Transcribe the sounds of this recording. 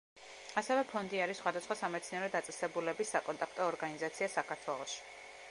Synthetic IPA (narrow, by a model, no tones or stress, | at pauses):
asɛvɛpʰɔnd̪iaɾisχwad̪asχwasamɛt̪sʰniaɾɔd̪at̪sʼɛsɛbulɛbisːakʼɔnt̪ʼakʰt̪ʼɔːɾɡanizat̪sʰiasakʰaɾt̪ʰwɛlˠɔʃi̥